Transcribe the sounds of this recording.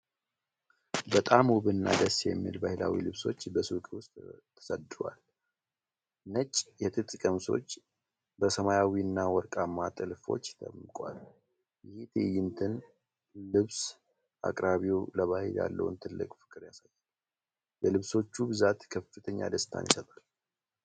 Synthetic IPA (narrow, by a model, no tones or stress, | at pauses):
bət̪ʼamuβɨnːa̰d̪əsjɛ̰mːḭlbahɪla̰wḭlɨβso̞t͡ʃːbəsukʼiwʊst̪ʰː | ə̥səd̪ɨwal | nət͡ʃʼjɛt̪ʼɨt̪ʼkʼəmso̞̰t͡ʃː | bəsəmajawiɨnːawɔɾkʼamːat̪ʼɨlfo̞̰t͡ʃːt̪ʰə̰mɨkʼwa̰l | jɪhit̪ʰḛjɪnt̪ʰɨn | lɨβs | ʔa̰kʼɾaβiwləβahilja̰lːə̰wɨ̰nt̪ʰɨlːɨ̰kʼfɨ̥kʼːɨɾjasajːal | jɛlɨβso̞t͡ʃːubɨzat̪kʰəfɨt̪ʰəɲːa̰d̪əst̪ʰa̰njisət̪ʼal